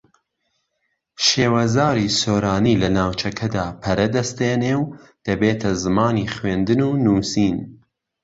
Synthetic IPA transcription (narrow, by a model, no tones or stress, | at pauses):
ʃeːwɐzaːɾiːsoːɾaːniːlɐnaːwt͡ʃʰɐkʰɐd̪aːpʰɐɾɐd̪ɐst̪eːneːwd̪̥ɐbeːt̪ʰɐzɨmaːniχwend̪ɨnuːnuːsiːn